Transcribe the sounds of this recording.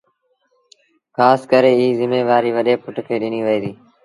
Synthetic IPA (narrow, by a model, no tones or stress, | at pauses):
xaːskəɾeːiːzɪmeːʋaːɾiːʋəɗeːpʊʈkʰeːɗɪniːʋəiːd̪iː